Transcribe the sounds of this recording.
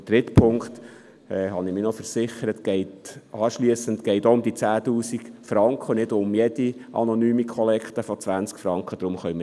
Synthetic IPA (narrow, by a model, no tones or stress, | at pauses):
tɾɪt̪pʰʊŋkt̪ | ɛːhɑnɪmɪnɔfəɾsɪχəɾətɡ̥ɛɪtɑːʃliəsənt̪ɡ̥ɛɪtoʊmd̪it͡sæːtuːsikfɾɑŋkχənɪdʊmjɛd̥iʔɑ̰nɔnyːmikʰɔlɛkχt̪əfɔt͡sʋænt͡skfɾɑŋkχəd̥̪ɾʊmχœʏm